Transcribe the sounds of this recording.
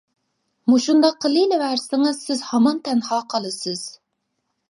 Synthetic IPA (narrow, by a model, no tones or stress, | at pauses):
muʃund̪ɑqʰːəlˠilɪwæɾsɪŋɨzsɪzhɑmɑnt̪ʰɛnhɑːqʰɑlˠɨsɨz̥